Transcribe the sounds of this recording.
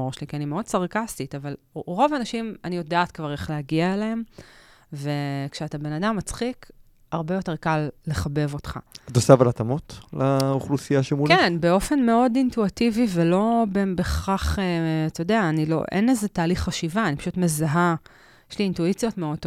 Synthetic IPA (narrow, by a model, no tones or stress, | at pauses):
oʁʃelikianimeo̞d̚t͡saʁkastitaval | ʁo̞vaːnaʃimanijo̞daːtkvaʁeχleaɡiaeleem | ve̞kʃeatabe̞nadamːat͡sχik | aʁbe̞jo̞te̞ʁkalːe̞χabe̞vo̞tχa̰atosavalat̪amot̪lauχlusijaʃemulkenbe̞o̞fe̞nme̞o̞dintuitivivelo̞benbeχaχeatojodeaːnilo̰ʔḛnezetaːliχːaʃivaːnipaʃutmezaɦa | jeʃliːntuit͡sjo̞tmeot̪